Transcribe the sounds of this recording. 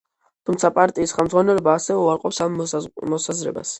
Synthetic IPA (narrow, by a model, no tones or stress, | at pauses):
t̪ʰumt̪sʰapʼaɾt̪ʼiːsχɛlˠmd̪zʁwanɛlɔbaːsɛɛuaɾqʼɔpsamːɔsazɾɛ̰ba̰s